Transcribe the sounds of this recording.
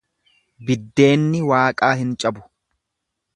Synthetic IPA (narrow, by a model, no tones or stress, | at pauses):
bɪd̪ːe̞ːnːɪwaːkʼaːhɪnt͡ʃʼɐbʊ̥